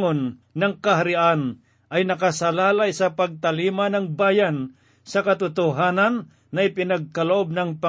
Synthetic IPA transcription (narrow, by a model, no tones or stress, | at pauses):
onːɐŋkɐɦaɾɪʔan | ʔɐjnɐkɐsɐlaːlajsɐpɐɡ̚t̪ɐliːmanɐŋbaːjan | sɐkɐt̪ʊt̪ʊɦaːnɐnː | ɐʔɪpɪnɐɡ̚kɐloʔob̚nɐŋpa